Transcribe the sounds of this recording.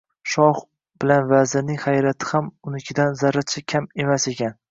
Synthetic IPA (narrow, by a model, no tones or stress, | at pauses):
ʃɒh | bɪlanvazɪnɪŋʲhajɾat̪ʰɪ̥hamʊnɪkʲʰɪd̪anzaɾat͡ʃʰakʲʰame̞mase̞kʲan